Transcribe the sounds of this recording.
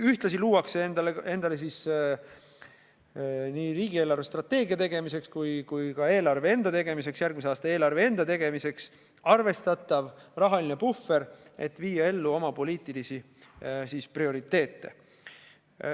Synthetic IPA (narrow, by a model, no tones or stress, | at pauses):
yht̪lɑsiluːwɑkseend̪ɑlee̞nd̪̥ɑle̞s̬is | niːɾiːɡie̞ːlɑrve̞st̪rɑt̪ːˑe̞ːɡ̥iɑt̪e̞ɡ̥e̞mise̞kskujkujkɑe̞ːlɑrve̞e̞nd̪ɑt̪e̞ɡ̥e̞mis̬e̞ksjærɡ̥̚miseɑːst̪ɑeːlɑrvee̞nd̪ɑt̪e̞ɡ̥e̞mise̞ks | ɑrve̞st̪ɑt̪ːˑɑvrɑɦɑline̞bufːe̞ɾe̞̰t̪ːˑviːjɑe̞lːuo̞mɑpo̞liːt̪ːˑilisi | sisprio̞ɾit̪ːe̞ːt̪ːe̞̰